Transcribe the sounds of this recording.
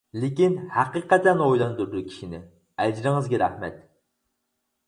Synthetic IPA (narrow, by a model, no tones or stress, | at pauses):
lɪkʲinhæqɨqɛt̪ɛnojlˠɑnd̪uɾd̪ukʲʰi̥ʃinɪ | ɛd͡ʒɾɪŋɨzɡʲɛɾæhmɛ̰t̪